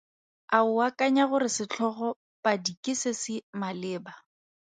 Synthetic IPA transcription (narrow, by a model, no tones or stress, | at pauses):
aʊwakʼaɲaɣʊɾɪsɪt͡ɬʰɔχɔ | pʼadikʼɪsɪsɪmalɪːba